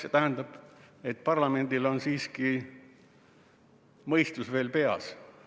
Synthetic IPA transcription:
set̪æɦænd̪̥ɑb̥e̞t̪ːpɑrlɑme̞nd̪ilo̞nsiːski | mɤjst̪usve̞ːlpe̞ɑ̰s

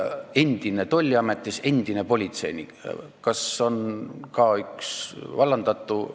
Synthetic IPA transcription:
e̞nd̪̥ine̞t̪o̞lʲːiɑmet̪ʲːˑise̞nd̪̥inepo̞lʲit̪se̞jnḭ | kɑso̞nkɑːyksvɑlːɑnd̪̥ɑt̪ːˑu

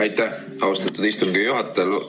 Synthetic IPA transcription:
ɑjt̪ˑːæ | ɑust̪ɑt̪ːˑud̪̥ist̪uŋɡijuɦɑt̪ˑːel

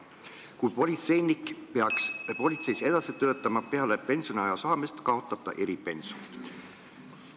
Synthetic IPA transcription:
kujpo̞lʲit̪se̞jnikpeɑkspo̞lʲit̪se̞jse̞d̪̥ɑsit̪ø̞ːt̪ːˑɑmɑpe̞ɑlepe̞nso̞niɑjɑsɑːmist̪kɑo̞t̪ːˑɑt̪ɑ̰ʔeɾipe̞nso

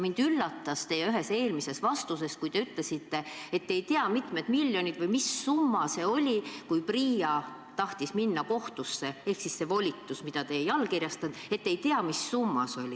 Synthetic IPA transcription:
mind̪̥ylːɑt̪ːɑst̪e̞jyɦe̞se̞ːlmise̞svɑst̪us̬e̞skujt̪e̞yt̪le̞sit̪ːe̞e̞t̪ːeejt̪eɑmit̪me̞d̪milʲːjo̞nʲid̪vɯjmisːumːɑse̞o̞lʲikujpriːɑ | t̪ɑht̪isminːɑko̞ht̪usːe̞e̞hksisːe̞vo̞lʲit̪ːusmid̪̥ɑt̪e̞jɑlːkirjɑst̪ɑnd̪e̞t̪ːeejt̪eɑmisːumːɑ̰so̞lʲi

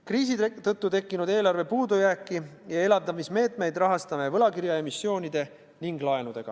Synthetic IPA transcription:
kriːs̬it̪ɤ̞t̪ːut̪e̞kːinud̪e̞ːlɑrve̞puːd̪ujæːkːijɑe̞lɑbd̪ɑmisme̞ːt̪ˑme̞jd̪rɑɦɑst̪ɑme̞vɤlɑkiɾjɑe̞misːjo̞ːnid̪̥e̞ | niŋɡlɑe̞nud̪̥e̞ɡ̥ɑ̰

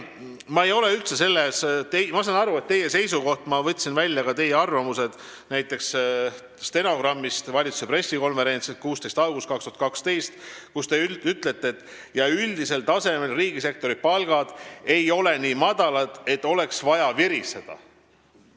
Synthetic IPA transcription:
mɑejo̞le̞ylt̪se̞se̞lːest̪emɑsɑnɑɾue̞t̪ːe̞je̞se̞jsuko̞ht̪mɑvɤt̪ʲːˑsinvælʲːjɑkɑt̪e̞jeɑrvɑmuse̞d̪̥ | næjt̪ːˑe̞ks | st̪e̞no̞ɡrɑmːist̪vɑlʲit̪su̥se̞pre̞sːiko̞nve̞ɾe̞nt̪sikuːst̪e̞jst̪ɑlɡ̥ust̪̚kɑkst̪uhɑt̪kɑkst̪e̞jst̪kust̪e̞yyt̪ˑle̞t̪ːˑeːt̪ːˑ | jɑyld̪ise̞lt̪ɑse̞me̞lriːɡise̞k̚t̪o̞ɾipɑlɡ̥ɑd̪̥e̞jo̞le̞niːmɑd̪̥ɑlɑd̪̥e̞t̪ːˑo̞le̞ksvɑjɑviɾise̞d̪̥ɑ̰

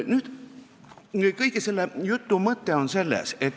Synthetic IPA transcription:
nyːd̪ | kɤjɡese̞lːejut̪ːumɤt̪ːeonse̞lːḛset̪ː

